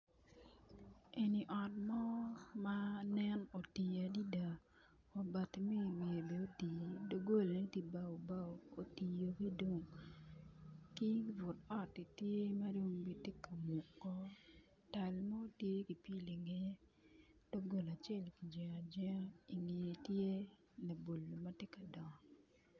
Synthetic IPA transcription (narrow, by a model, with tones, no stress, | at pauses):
e˨ni˨ʔɔ˨tmɔ˦ma˦nɛ˦no˨ti˨a˨di˦da˨ | o˨ba˨tmi˦˨mje˨be˨o˦ti˨do˦ɡo˦˨lne˦ti˦ba˦o˨ba˦o˨o˨ti˨jo˨ki˦do˦ŋ | ki˦vʊ˨tɔ˦˨ti˨tje˦ma˦do˦mbi˨te˦ka˨mu˨kːɔ˦ | ta˨lma˦o˦tje˦ki˨pi˦˨li˨ŋe˨e˦ | d̥o˦ɡo˦˨la˨t͡ʃɛ˦˨lki˨d͡ʒɛ˨a˨d͡ʒɛ˦a˦i˨ŋe˨e˨tje˦ | na˨bo˨lːo˨ma˦te˦ka˨dɔ˨ŋ˨